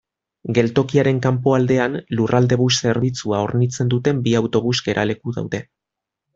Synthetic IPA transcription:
ɡe̞lt̪o̞kiaɾe̞ŋkampoald̪e̞anlurʔald̪e̞βuse̞ɾβit͡suao̞ɾnit͡se̞nd̪ut̪e̞mbiawt̪o̞β̞uzɡe̞ɾʔa̰le̞kuða̰wðe̞

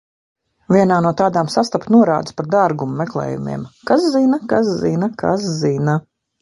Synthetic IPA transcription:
vʲiɛnaːnuɔt̪aːd̪aːmsast̪apt̪nuɔɾa̰ːd̪ɨspaɾd̪aɾɡumːeklˠɛ̰ːjṵmḭɛmkaszinakaszinakʰa̰szina

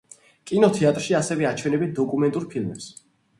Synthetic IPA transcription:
kʼinɔt̪ʰɛat̪ʼɾʃiasɛvɛat͡ʃʰwɛnɛbit̪̚d̪ɔkʼumɛnt̪ʼuɾpʰilˠmɛps

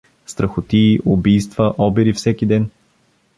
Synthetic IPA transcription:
st̪ɾɐxʊt̪iːʔʊbijst̪vəʔɔbiɾifsɛkid̪ɛn

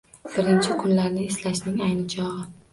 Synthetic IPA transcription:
b̥ɪɾɪnt͡ʃʰɪkʰʊnlaɾnɪeslaʃnɪŋajnɪt͡ʃʰɒʁɨ

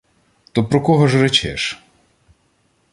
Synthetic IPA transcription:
t̪ɔpɾɔkɔɦɔʒret͡ʃɛ̰ʃ

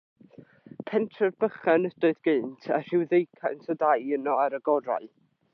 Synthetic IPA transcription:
pʰɛntʰrɔrbəχanədʊɨdɡ̥ɨːntʰar̥ɪwðejkʰantʰɔdajənɔaɾəɡɔɾa̰ɨ

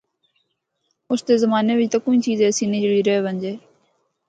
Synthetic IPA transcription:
ʊsd̪eːzəmaːneːʋɪt͡ʃt̪aːkʊĩːt͡ʃiːzɛːsiːneːd͡ʒəɽiːɾəeːʋəɲd͡ʒeː

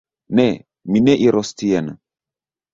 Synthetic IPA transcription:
nɛ | minɛʔiɾɔstijana̰

